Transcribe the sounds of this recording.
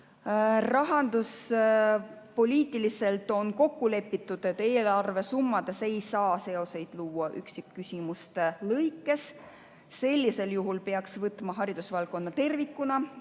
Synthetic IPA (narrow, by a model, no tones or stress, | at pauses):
rɑɦɑnd̪us | po̞lʲiːt̪ːˑilise̞lt̪ˑo̞nko̞kːule̞pːit̪ːˑud̪̥e̞t̪ːˑe̞ːlɑrve̞sumːɑd̪̥e̞se̞jsɑːse̞o̞se̞jd̪̥luːɑʔyksikːysʲimust̪lɤjkːˑe̞sː | e̞lʲːise̞ljuɦulpe̞ɑksvɤt̪ːˑmɑɦɑɾid̪̥usvɑlkˑo̞nːɑt̪e̞rvikːunɑ